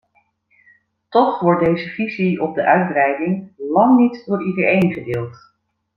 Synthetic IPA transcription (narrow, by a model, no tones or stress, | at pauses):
tɔχʋɔɹt̚dejzəviziɔb̚dəʔœɥd̚brɛjdɪŋlɑŋnitdʊːɹidəɹejnχədɪːlˠt